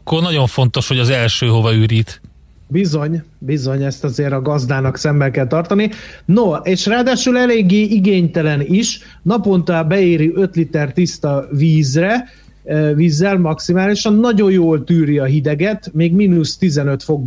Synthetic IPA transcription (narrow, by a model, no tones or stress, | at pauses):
kːornɒɟo̞ɱfo̞nt̪o̞ʃho̞ɟɒzɛlʃøːɦo̞vɒyːɾiːt̪ | bizo̞ɲbizo̞ɲɛst̪ɒzeːɾɒɡɒzd̪aːnɒksɛmbɛlkɛlt̪ɒrt̪ɒninoeːʃraːd̪aːʃylɛleːɡːeːʔiɡeːɲt̪ɛlɛniʃ | nɒpo̞nt̪ɒbɛeːɾiʔøt̪lit̪ɛrt̪ist̪ɒviːzrɛ | viːzːɛlmɒksimaːliʃɒnːɒɟo̞jjoːlt̪yːɾiɒɦid̪ɛɡɛt̪meːɡminust̪izɛnø̞t̪fo̞ɡ̚